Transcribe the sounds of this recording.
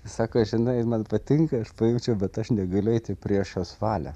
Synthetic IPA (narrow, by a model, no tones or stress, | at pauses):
sɑːkoːɐʒʲɪnɐɪmɐnpɐt̪ʲɪŋkɐɐʃpɐjɛʊt͡ʃʲɛʊbʲɛt̪ɐʃnʲɛɡɐlʲʊɛɪt̪ʲɪpʲɾʲiɛʃjoːsʋɑːlʲɛ̰